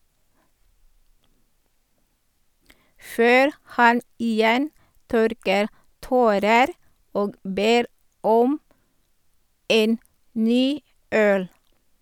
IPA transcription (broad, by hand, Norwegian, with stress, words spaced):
ˈføːɾ ˈhɑn iːˈjɛn ˈtœɾkəɾ ˈtoːɾəɾ ˈoːɡ ˈbeːɾ ˈɔm ˈeːn ˈnyː ˈœl